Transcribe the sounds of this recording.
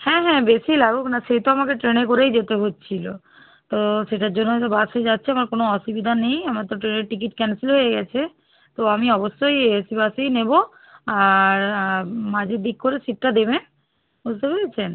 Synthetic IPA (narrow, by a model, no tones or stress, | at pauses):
hɛ̃ɦɛ̃besilaɡuknaʃejt̪oamakeʈɾenek̬oɾejd͡ʑet̪eɦotːt͡ɕʰilo | t̪oʃeʈaɾd͡ʑonːod͡ʑabased͡ʑatːɕʰeamaɾkonoɔʃubid̪ʱanejamaɾt̪oʈɾeneɾʈik̬iʈkɛnsilɦoeɡɛt͡ɕʰe | t̪oamiɔboʃːojesibasejnebo | aɾmad͡ʑʱeɾd̪ikkoɾesiʈ̚ʈad̪eben | bud͡ʑt̪epelet͡ɕʰen